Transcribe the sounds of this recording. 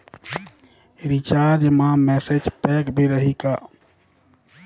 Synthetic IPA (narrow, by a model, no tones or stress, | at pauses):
ɾit͡ʃaːɾd͡ʒmãmɛːsed͡ʒpɛːkbʱiɾəɦikaː